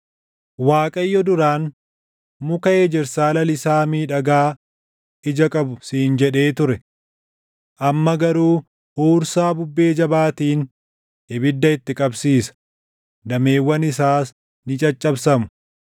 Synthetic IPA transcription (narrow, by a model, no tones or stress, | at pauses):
waːkʼɐjːɔd̪ʊɾaːn | mʊkɐeːd͡ʒɛɾsaːlɐlɪsaːmiːᶑɐɡaː | ɪd͡ʒɐkʼɐbʊsiːnd͡ʒɛᶑe̞ːt̪ʊɾɛ | ʔɐmːɐɡɐɾuː | huːɾsaːbʊbːe̞ːd͡ʒɐbaːt̪iːn | ɪbɪd̪ːɐɪt̪ːɪkʼɐbsiːsɐ̥ | d̪ɐme̞ːwːɐnɪs̬aːs | nɪt͡ʃʼɐt͡ʃʼːɐbsɐmʊ̥